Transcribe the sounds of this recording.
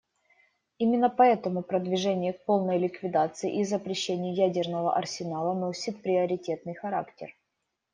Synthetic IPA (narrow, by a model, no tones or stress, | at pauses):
imʲɪnːəpɐɛt̪əmʊpɾəd̪vʲɪʐɛnʲɪjək̚po̞lˠnəjlʲɪkvʲɪd̪at̪sɨɪ̰ʔizəpɾʲɪɕːenʲɪjʊjædʲɪrnəvə̰ʔɐrsʲɪnalˠəno̞sʲɪt̪̚pɾʲɪəɾʲɪtʲe̞t̪nɨjxɐɾa̰ktʲɪ̰r